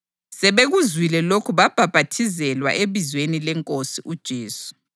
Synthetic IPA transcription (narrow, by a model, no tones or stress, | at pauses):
sɛβeɣuzwilɛlokʰuβab̥ʱab̥ʱatʰizɛlwa̰ʔeβizwenilɛŋkʼosiʔud̥ʒ̥ʱeːsu̥